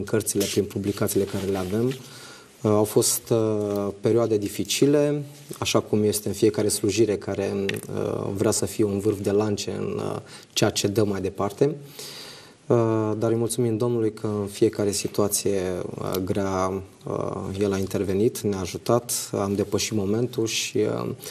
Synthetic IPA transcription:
ŋkərt̪sile̞pɾinpublikat̪sile̞kaɾe̞le̞ave̞m | awfo̞st̪pe̞ɾioad̪e̞d̪ifit͡ʃile̞ | aʃakumje̞st̪e̞ɨnfije̞kaɾe̞sluʒiɾe̞kaɾe̞ə̰vɾeasəfije̞unvɨrfd̪e̞lant͡ʃe̞ɨ̰n | t͡ʃejat͡ʃe̞d̪əmajd̪e̞part̪e̞ | əd̪aɾəjmult̪sumimd̪o̞mnulujkʰəɨnfie̞kaɾe̞sit̪uat̪sije̞̰ɡɾea | ə̰je̞laint̪e̞rve̞nit̪neaːʒut̪at̪amd̪e̞pəʃit̪mo̞me̞nt̪ulʃi

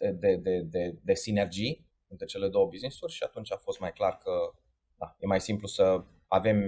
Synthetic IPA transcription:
ed̪e̞d̪e̞d̪e̞d̪e̞sine̞rd͡ʒij | ɨnt̪ɾet͡ʃe̞le̞d̪o̞wəbiznisurʲʃiat̪unt͡ʃʲafo̞st̪majklarkə | d̪a̰je̞majsimplusə | ave̞m

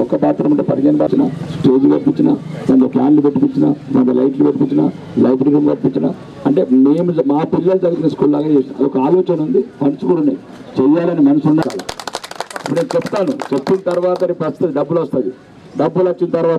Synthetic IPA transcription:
ɔkːɐbaːt̪ɾɐmɐɳʈeːpɐɾiɡeːnɐbaːt͡ʃina̰ːsʈe̞ːd͡ʒiɡɐpiɲt͡ʃinaːkɐnd̪ɐpʰaːnnipeʈːiupit͡ʃina̰ːmɐ̰nd̪ɐlɐjʈnipeʈːipiɲt͡ʃina̰ː | lɐwbɾiɾimɡɐʈpiɲt͡ʃina̰ː | ɐɳʈe̞ːmeːmumaːpilːɐlut̪ɐɡɐɾinɐskuːllaːɡaːt͡ʃeːsaɐ̰lɔkɐaːloːt͡ʃɐnund̪ipɐnt͡ʃukuɽuneː | t͡ʃɛjːaːlɐnimɐnɐsunːɐkaːla̰ː | ɐpːuneːnt͡ʃepːu̥t̪aːnut͡ʃepːint̪ɐɾʋaːt̪ɐnipɐst̪ɐd̪iɖɐbːulɐst̪aːd̪i | ɖɐbːulɐt͡ʃːint̪ɐɾʋaːt̪ɐ

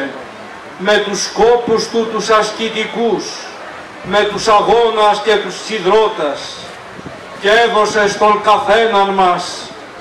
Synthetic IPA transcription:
me̞t̪usko̞pust̪ut̪usɐscit̪ikus | me̞t̪usɐɣo̞nɐsce̞t̪ussiðɾo̞t̪ɐs | cee̞ðo̞se̞st̪o̞ŋkɐθe̞nɐnmɐs

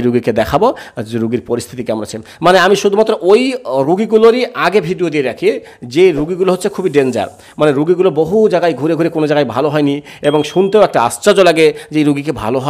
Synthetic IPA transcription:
ɾuɡiked̪ɛkʰabod͡ʑeɾuɡiɾpoɾist̪ʰit̪ikamɾa̰t͡ɕʰe | maneamiʃud̪ʱumat̪ːɾoʔojɾuɡiɡuloɾiʔaɡebʱiɖiod̪ieɾakʰi | d͡ʑeɾuɡiɡuloɦot̪ːɕʰekʰubiɖend͡ʑa̰ɾ | maneɾuɡiɡuloboɦud͡ʑaɡajɡʱuɾeɡʱuɾekonod͡ʑaɡajbʱaloɦɔjni | eboŋʃunt̪eoɛk̚ʈaa̰st͡ɕad͡ʑolaɡed͡ʑejɾuɡik̬ebʱa̰loɦɔ

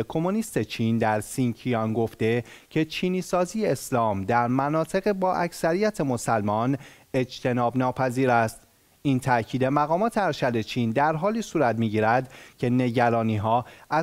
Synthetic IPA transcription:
kʰo̞moniːst̪e̞t͡ʃʰiːnd̪æɾsiŋcʰiɒnɡo̞ft̪e̞cʰe̞t͡ʃʰiːniːsɒːzijeeslɒːmd̪æɾmænɒːt̪ʰe̞ɣebɒːʔæcsæɾijæt̪ʰe̞mo̞sælmɒːn | e̞d͡ʒt̪ʰe̞nɒːbnɒːpʰæziːɾæst̪ | ʔiːnt̪ʰæʔcʰiːd̪e̞mæɣɒːmɒːt̪ʰe̞æɾʃæd̪e̞t͡ʃʰiːnd̪æɾɦɒːliːsuːɾæt̪miːɟiːɾæd̪cʰe̞ne̞ɟæɾɒːniːɦɒːæ

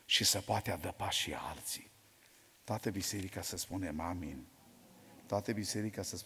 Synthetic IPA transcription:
ʃisəpoat̪ead̪əpaʃḭa̰lt̪si̥ | t̪oat̪əbise̞ɾikasəspunemamḭnʲ | t̪oat̪əbise̞ɾikasəs

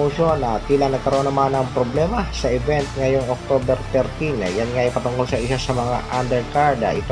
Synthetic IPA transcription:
oʃonɐt̪iːlɐŋnɐɡkɐɾoʔonɐmanɐŋpɾoblɛːmɐsɐʔɛbɛnt̪ŋɐjo̞ŋok̚t̪oːbɛɾt̪ɛɾt̪inɐjanŋaʔɐjpɐt̪ʊŋkolsɐʔɪsasɐmɐŋa̰ʔand̪ɛɹkaɹd̪a̰ʔɪt̪o

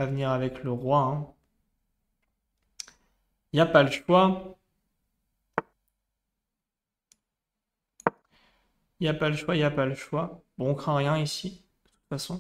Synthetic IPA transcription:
avniʁavɛkləʁwaɛ̃ | iljapaləʃwa | iljapaləʃwailjapaləʃwabɔ̃ːkχɛ̃ʁjɛ̃isi | d̪̥ət̪u̥t̪fasɔ̃

